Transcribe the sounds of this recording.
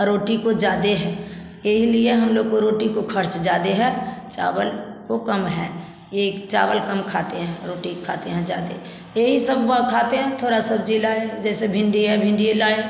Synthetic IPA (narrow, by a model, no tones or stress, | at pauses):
ɾoːʈikod͡ʒaːd̪eɦɛ̃ː | eɦilieɦɐmloːɡ̚koɾoːʈikokʰəɾt͡ʃd͡ʒaːd̪eɦɛt͡ʃa̰ːʋəlkokɐmɦɛː | jeːkt͡ʃa̰ːʋəlkəmkʰaːt̪eɦɛ̃ːɾoːʈikʰaːt̪eɦɛ̃d͡ʒa̰ːd̪ḛ | jeɦisəbbakʰaːt̪eɦɛ̃t̪ʰoːɾasəbd͡ʒilaːed͡ʒɛːsebʱɪ̃ɳɖiɦɛbʱɪ̃ɳɖielaːe